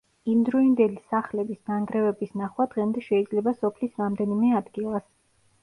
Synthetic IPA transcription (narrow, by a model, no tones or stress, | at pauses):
imd̪ɾɔind̪ɛlisaχlɛbisnaŋɡɾɛvɛbisnaχwad̪̥ʁɛmd̪ɛʃɛid̪zlɛbasɔpʰlisɾamd̪ɛnimɛad̪ɡilˠas